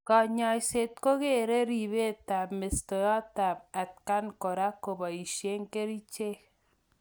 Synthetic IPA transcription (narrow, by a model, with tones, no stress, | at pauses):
ka˨ɲa˨jse˨t̪̚ko˦ɣe˦˨ɾe˦ɾi˨βe˦ta˨me˨sto˨jɔ˦ta˨pa˨t̚ka˦nko˨ɾa˦ko˨βa˨i˨ʃe˦ŋke˦ɾi˦t͡ʃe˦